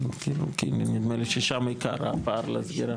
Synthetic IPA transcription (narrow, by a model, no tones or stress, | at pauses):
kiɾṵkinnid̪meliʃeʃamaika̰ɾa̰paːɾlazɡiɾa